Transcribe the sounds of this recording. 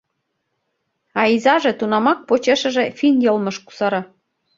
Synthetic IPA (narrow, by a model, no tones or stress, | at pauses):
ɑizɑʒĕt̪unɑmɑk̚pot͡ɕeʃə̆ʒĕfinjɤlmɤ̆ʃku̥sɑɾɑ